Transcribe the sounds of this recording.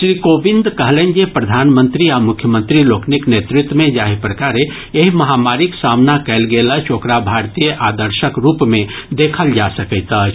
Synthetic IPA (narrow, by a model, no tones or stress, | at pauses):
ʃɾiːkobind̪ʱkəɦlend͡ʒepɾəd̪ʱanmə̃nt̪ɾiamʊkʰjəmə̃nt̪ɾilokniknet̪ɾɪt̪wəmẽd͡ʒaɦipɾəkaɾe | eɦiməɦamaɾiksamnakɛlɡelət͡ʃʰokɾabʱaɾt̪ijəʔad̪əɾʃəkɾupmẽd̪ekʰəld͡ʒasəkəɪt̪ət͡ʃʰ